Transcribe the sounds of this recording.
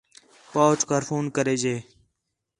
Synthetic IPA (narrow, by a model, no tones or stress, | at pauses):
paːt͡ʃkaːɾfʰuːnkəɾeːd͡ʒeː